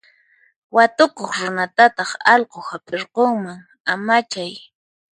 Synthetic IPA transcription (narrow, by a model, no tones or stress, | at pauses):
wat̪okoχɾʊnat̪at̪ɑχɑʎqohapɪɾqoŋmaŋ | amat͡ʃaj